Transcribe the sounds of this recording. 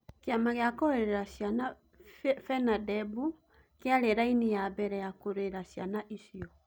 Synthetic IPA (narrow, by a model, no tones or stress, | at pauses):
keamaɣeakɔeɾeɾaɕjana | fɛnadɛbu | keaɾeɾainijabɛɾɛjakoɾeɾaɕjanaʔisiɔ